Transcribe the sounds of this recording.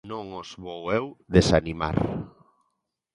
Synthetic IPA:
nõŋozβowewðesanima̰ɾ

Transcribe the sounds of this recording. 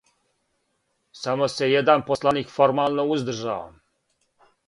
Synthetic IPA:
samosejɛd̪anposlˠanikfoɾmalˠnouzd̪rʒa̰ːʋa̰m

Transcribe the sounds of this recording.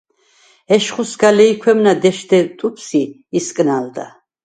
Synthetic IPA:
ɛʃχusɡalɛikʰwɛmnad̪ɛʃd̪ɛt̪ʼupʰsiː | skʼnald̪a̰

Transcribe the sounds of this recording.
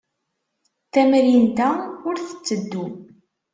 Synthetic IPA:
t̪æmɾind̪æʊɾθə̥t͡sːəd̪ːu

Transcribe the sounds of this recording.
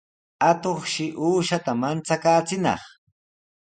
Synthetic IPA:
at̪oχʃɪʔuːʃat̪amant͡sakaːt͡sɪnɑ̰χ

